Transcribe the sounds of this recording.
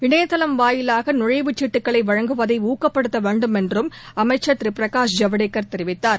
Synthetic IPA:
ʋɪɳɐjɐt̪ːɐlɐmʋaːjɪlaːɣɐnʊɻɐɪʋɯt͡ʃːɪʈːɯkːɐɭɐɪʋɐɻɐŋɡɯʋɐðɐɪuːkːɐpːɐɽɯt̪ːɐʋeːɳɖɯmɛndrɯmɐmɐɪt͡ʃːɐt̪ɪɾipɪɾɐkaːʂd͡ʒɐʋɐɽeːkːɐɾt̪ɛɾɪʋɪt̪ːaːɾ

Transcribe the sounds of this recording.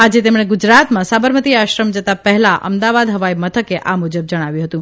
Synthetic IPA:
ad͡ʒet̪emɽ̃eɡud͡ʒɾat̪mãsabəɾmət̪iaʃɾəmd͡ʒət̪apəɦlaʔə̰md̪aʋad̪ɦəʋaimət̪ʰəkeʔamud͡ʒəb̚d͡ʒəɽ̃aʋjũɦət̪ũ

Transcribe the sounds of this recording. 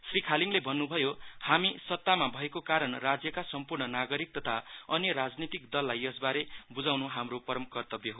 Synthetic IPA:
srikʰaliŋlebʱʌnːubʱʌjohamisʌt̪ːamabʱʌekokaɾʌnrad͡zjʌkasʌmpurɳʌnaɡʌɾik̚t̪ʌt̪ʰaʌnjʌɾad͡znit̪ikd̪ʌlːajʌsbaɾebud͡zawnuɦamropʌɾʌmkʌrt̪ʌbjʌɦo

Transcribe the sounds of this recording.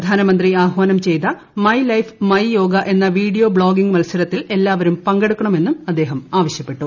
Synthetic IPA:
d̪ʱaːnɐmɐnd̪riaːɦʋaːnɐmt͡ɕe̞jt̪ɐ | mɐjlɐjfmɐjjo̞ːɡɐʔe̞nːɐʋiːɽijoːbɭo̞ːɡiŋɡmɐlsɐɾɐt̪ːile̞lːaːʋɐɾumpɐŋɡeɽukːɐɳɐme̞nːumɐd̪ːe̞ːɦɐmaːʋɐɕjɐpːe̞ʈːu

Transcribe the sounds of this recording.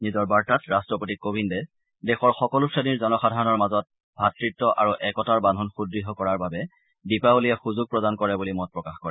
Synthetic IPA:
nizɔɹbaɹtatɹastɹɔpotikobʱindɛ | dɛxɔɹxɔkɔlusʰaniɹzɔnɔxadʱaɹɔnɔɹmazɔt̚ | bʱatɹitːɔʔa̰ɹuʔɛkɔtaɹbandʱɔnxudɹiɦɔkɔɹaɹbabɛ | dipaolijɛxuzuɡ̚pɹɔdankɔɹɛbulimɔt̚pɹɔkaxkɔɹɛ

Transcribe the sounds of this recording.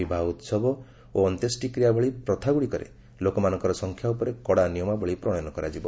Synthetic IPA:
ibʱaut̪sɔbɔ | oɔnt̪esʈikɾijabʱɔɭipɾɔt̪ʰaɡuɭikɔɾḛ | lokɔmanɔŋkɔɾɔsɔŋkʰjaupɔɾekɔɽanijɔmabʱɔɭipɾɔɽ̃jnɔkɔɾa̰d͡ʒibɔ

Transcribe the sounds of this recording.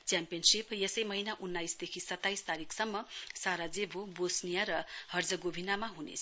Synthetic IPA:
t͡sjampijʌnsipjesʌjmʌɦinaʔunːajsd̪ekʰisʌt̪ːajst̪aɾikʰsʌmːʌsaɾad͡zebʱobosnijaɾʌhʌrd͡zʌɡobʱinamaɦunḛt͡sʰ

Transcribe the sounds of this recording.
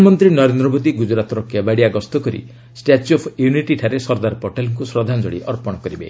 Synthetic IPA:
mɔnt̪ɾinɔɾend̪ɾɔbod̪iɡud͡ʒɾat̪ɔɾɔkjabaɽiaɡɔst̪ɔkɔɾḭ | sʈat͡ʃɔpʰjuniʈiʈʰaɾesɔɾd̪aɾɔpɔʈelɔŋkusɾɔd̪ʱand͡ʒɔɽḭʔɔɾpɔɽ̃ɔkɔɾibḛ

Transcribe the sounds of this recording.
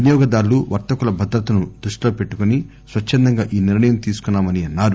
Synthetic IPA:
njɔːɡɐd̪aːɾluʋɐɾt̪ɐkulɐbʱɐd̪ɾɐt̪ɐnud̪ɾuʂʈlo̞ːpe̞ʈːukoni | sʋɐt͡ʃʰːɐnd̪ɐŋɡaːʔiːniɾɳɐjɐmt̪iːsu̥kunːaːmɐniɐnːaːɾu

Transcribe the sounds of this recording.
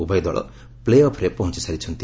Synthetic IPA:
ubʱajd̪ɔɭɔ̰ | pleɔpʰɾepɔɦɔ̃nt͡ʃi̥saɾit͡ʃʰɔnt̪i

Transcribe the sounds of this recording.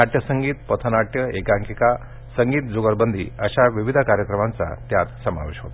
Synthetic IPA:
aʈjəsəŋɡiːt̪pət̪ʰənaʈjəekãŋkika | səŋɡiːt̪d͡zoɡəɾbənd̪ʱḭːəɕaʋiʋid̪ʱakaɾjəkɾəmant͡sa̰t̪jat̪səma̰ʋeɕɦot̪

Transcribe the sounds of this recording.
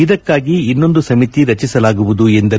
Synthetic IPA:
id̪ɐkːaːɡiːnːo̞nd̪usɐmit̪iɾɐt͡ʃisɐlaːɡuʋud̪uend̪ɐ

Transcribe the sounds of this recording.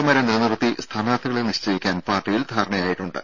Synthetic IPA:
ɐmɐɾeniɾɐnɐrɐt̪ːist̪ʰaːnaːt̪ʰːiɣɐɭeniɕt͡ɕɐjikʲːaːnpaːrʈːijild̪ʱaːɾɐɳɐjaːjiʈːuɳɖɨ̰

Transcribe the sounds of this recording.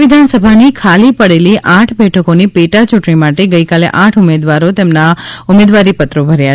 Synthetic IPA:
id̪ʱansəbʱanikʰalipəɽeliʔãʈʰbɛʈʰəkonipeʈat͡ʃuʈɳimaʈeɡəikalḛʔãʈʰʊmed̪ʋaɾot̪emnaʊmed̪ʋaɾipət̪ɾobʱəɾja

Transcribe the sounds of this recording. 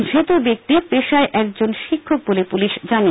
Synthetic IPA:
d͡ʑʱet̪obek̚t̪ipeʃaeʔɛkd͡ʑonʃikʰːok̚bolepuliʃd͡ʑani

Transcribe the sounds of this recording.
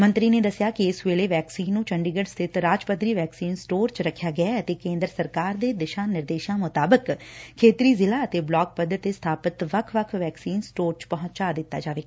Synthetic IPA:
mə̃nt̪ɾiːneːd̪əsɪjaːkɪɪsʋeːleːʋɛːksiːnːũːt͡ʃəɳɖiːɡəɖst̪ʰɪt̪ɾaːd͡ʒpət̪ɾiːʋɛːksiːnsʈoːɾt͡ʃɾəkʰːjaːɡəaːət̪eːkẽːnd̪ɾəsəɾkaːɾd̪eːd̪ɪʃãːnɪɾd̪eːʃãːmʊt̪aːbəkkʰːeːt̪ɾiːzɪlaːət̪eːblɔːk̚pəd̪ət̪est̪ʰaːpət̪ʋəkʰʋəkʰʋɛːksiːnsʈoːɾt͡ʃpɔɦʊ̃t̪t͡ʃaːd̪ɪt̪ːa̰ːd͡ʒaːʋeː

